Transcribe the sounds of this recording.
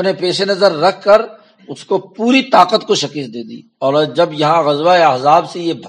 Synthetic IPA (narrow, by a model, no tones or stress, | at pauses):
pnepeːʃenɐzəɾːɐkʰkəɾ | ʊskopuːɾit̪aːqət̪koʃɐkəs̚d̪eːd̪ḭː | ɔːɾd͡ʒɐbjɐɦãɣɐzwaeɐɦzaːbsejebʱ